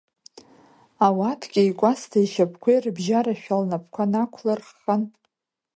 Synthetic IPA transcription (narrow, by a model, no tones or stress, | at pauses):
awatʰɡʲɪikʷʼastʰaiʃapʰkʷʰejrbʒaɾaʃᶣalnapʰkʷʰanakʷʰlarχan